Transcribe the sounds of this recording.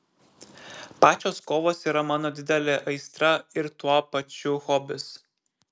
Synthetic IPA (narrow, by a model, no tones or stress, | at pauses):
pɑːt͡ʃʲoːskoːʋoːsiːɾɐmɑːnoːd̪ʲɪd̪ʲɛlʲeːʔɐɪst̪ɾɐɪɾt̪uɔpɐt͡ʃʲʊxɔːbʲɪs